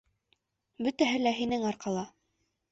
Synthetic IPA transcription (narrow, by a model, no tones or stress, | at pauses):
bɵt̪æɦɘlæɦinɘŋɑɾqɑlˠɑ